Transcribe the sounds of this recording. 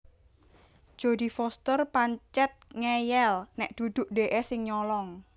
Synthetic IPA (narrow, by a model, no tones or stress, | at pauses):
d̥ʒ̥o̤d̪i̤fɔst̪ərpaɲt͡ʃɛt̪̚ŋɛjɛlnɛʔd̪̥ṳd̪̥ʊ̤ʔɖe̤ʔesɪŋɲɔlɔŋ